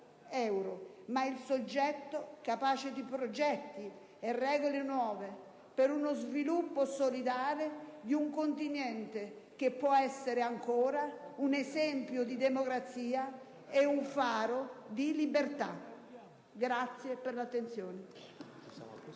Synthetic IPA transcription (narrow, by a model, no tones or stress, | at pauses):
ɛwɾomailsod͡ʒːɛt̪ːokapaːt͡ʃɪd̪ipɾod͡ʒɛt̪ːi | ɛrːɛːɡɣolɪnwɔːve | peɾunozvilupːosolid̪aːɾed̪iuŋkont̪injɛnt̪e | k̟epːwɔɛsːeɾeaŋkʰɔːɾaunɛsɛmpjʊd̪id̪ɛmokɾat̪sːiːa | ɛuɱfaːɾod̪ilibeɾt̪a̰ | ɡɾat̪sːjepːeɾlat̪ːent̪sjɔːnɪ